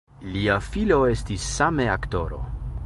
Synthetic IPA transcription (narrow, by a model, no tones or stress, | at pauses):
liafilo̞e̞stisːameakto̞ɾo̞̰